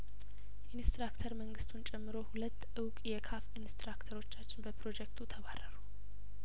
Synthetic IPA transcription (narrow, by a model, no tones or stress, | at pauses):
ʔinst̪ɾakt̪ʰəɾməŋɡɨst̪ʰunt͡ʃʼɛmːɨɾo̞hulət̪ːɨwkʼjɛkʰafinst̪ɾakt̪ʰəɾo̞t͡ʃːat͡ʃːɪnbəpɾo̞d͡ʒɛk̚t̪ʰut̪ʰəβarːəɾu